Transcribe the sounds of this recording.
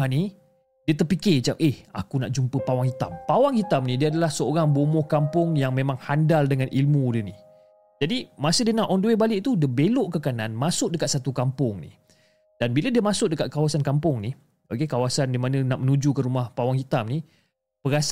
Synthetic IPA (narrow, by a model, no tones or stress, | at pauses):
ani | diət̪ərpikɪt͡ʃap̚eha̰kunaʔd͡ʒumpəpawaŋhit̪ampawaŋhit̪amnĩdiəadalahsəoɾaŋbomɔhkampʊŋjaŋmẽmãŋhandaldəŋãnʔilmudəni | d͡ʒadimasədiənaʔɔnduwebalɪʔt̪udiəbeloʔkəkananmasʊʔ̚dəkat̪̚sat̪ukampʊŋnḭ | d̥anbiladiəmasʊk̚dəkat̪̚kawasankampʊŋni | okekawasandimanə̃naʔmənud͡ʒukəɾumahpawaŋhit̪amni | pəɾas